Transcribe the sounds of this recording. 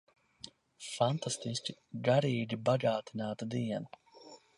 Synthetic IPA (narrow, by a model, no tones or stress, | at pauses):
fant̪ast̪isʲcʲiɡaɾiːd͡ʒibaɡaːt̪inaːt̪ad̪iɛn